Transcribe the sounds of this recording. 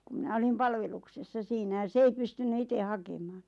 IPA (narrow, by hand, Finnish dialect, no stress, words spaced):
ku mĭnæ olim pɑlʋeluksesːɑ siːnæ jɑ s ei pystynːy ite hɑkemɑːn̆